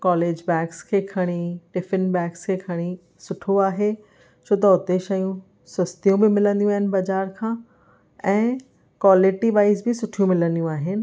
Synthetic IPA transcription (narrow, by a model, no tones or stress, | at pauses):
kɔːleːd͡ʑbɛːkskʰeːkʰɐɽ̃iʈɪfɪnbɛ̃ːkskʰeːkʰɐɽ̃i | sʊʈʰoaːɦe | t͡ɕʰoːt̪̬ɐʊt̪eʃɐjũ | sɐst̪ijũbɪmɪlə̃nd̪ijũaːɦɪnɪ̆bɐd͡ʑaːɾkʰãː | ɛ̃ː | kwaːlɪʈiʋaːɪzbɪsʊʈʰijũmɪlə̃nd̪ijũaːɦɪnɪ̆